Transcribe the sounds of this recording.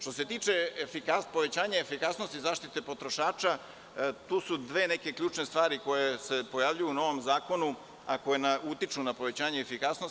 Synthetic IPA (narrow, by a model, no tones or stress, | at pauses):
ʃt̪o̞se̞t̪iːt͡ʃeefikapo̞ʋe̞t͡ɕaːɲaefikasnost̪izaːʃt̪it̪e̞po̞t̪ɾo̞ʃaːt͡ʃa | t̪uːsud̪ʋeːne̞ke̞kʎuːt͡ʃnest̪ʋaːɾiko̞jese̞po̞jaʋʎujuno̞ʋo̞mzaːko̞nu | ako̞jenaʔut̪it͡ʃunapo̞ʋe̞t͡ɕaːɲeːfikasnos